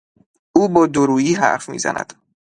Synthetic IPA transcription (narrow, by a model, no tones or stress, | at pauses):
ʔuːbɒːd̪oɾuːjiːɦæ̰ɾfmḭːzæ̰nʔæ̰d̪̥